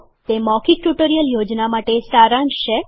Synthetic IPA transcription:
t̪emɔkiʈuʈəɾijəljod͡ʒnamaʈesaɾãnʃe

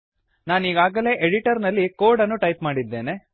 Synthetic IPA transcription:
naːniːɡaːɡɐle̞ːʔeɽiʈɐɾnɐlːikoːɖɐnːuʈɐjpmaːɽid̪ːeːne̞

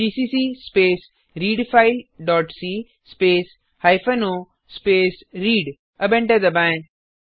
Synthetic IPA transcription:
d͡ʒiːsiːsiːspeːs | ɾiːɖfʰaɪlɖɔːʈsiː | speːs | hajfʰɐnoː | speːsɾiːɖ | ɐbẽɳʈɐd̪ɐbãẽ

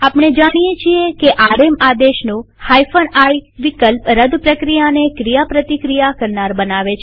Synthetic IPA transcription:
apɳ̃ed͡ʒaɽ̃ijet͡ʃʰiekeʔaɾemad̪eʃnũ | hajfənajʋikəlpɾəd̪pɾəkɾijanekɾijapɾət̪ikɾijakəɾnaɾbənaʋet͡ʃʰ

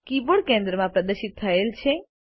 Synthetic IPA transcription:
kiboɽkẽnd̪ɾəmãpɾəd̪əʃɪt̪̚t̪ʰːəelt͡ʃʰe

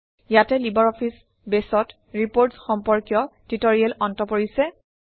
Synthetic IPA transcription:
jatɛlibaɹɔpʰis | besɔt | ɹipoɹtsxɔmpɔɹkjɔtitoɹiɛlɔntɔpoɹisɛ

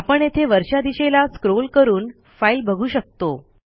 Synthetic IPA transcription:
apəɳjet̪ʰeʋəɾɕad̪iɕelaskɾolkəɾuːn | failbʱəɡʱuːɕək̚t̪o

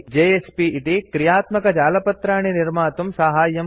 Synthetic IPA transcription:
d͡ʒeːespiːt̪ikɾijaːt̪mɐkɐd͡ʒaːlɐpɐt̪ɾaːɳ̃iniɾmaːt̪umsaɦaːjːɐm

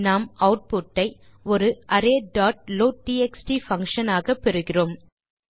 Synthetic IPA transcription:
naːmɐʊʈ̚pʊʈːɐɪ | ɔɾɯʔɐɾeːɖaːʈ̚loːɖiːɛksʈifɐŋkʂɐnaːɣɐpːɛɾɯɣɪroːm

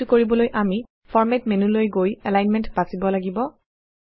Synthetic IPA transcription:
ukoɹibɔlojʔami | fʰɔɹmɛtmenulojɡojɛlajnmɛntbasibɔlaɡibɔ

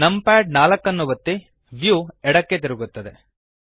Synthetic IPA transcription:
nɐmpaːɖ̚naːlɐkːɐnːuʋɐt̪ːi | ʋjuɛɽɐkːe̞t̪iɾuɡut̪ːɐd̪e̞

